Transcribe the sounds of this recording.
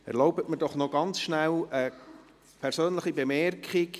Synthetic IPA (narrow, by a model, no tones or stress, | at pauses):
ɛ̰ɾloʊbətməd̥ɔχnɔɡɑnt͡sʃnælə | pʰɛɾsøːnləχibemɛrkχɪk